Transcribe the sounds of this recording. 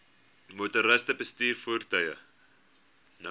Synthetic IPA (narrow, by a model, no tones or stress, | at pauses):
mutəɾəstəbəstiːrfuːrtœjə̰ | n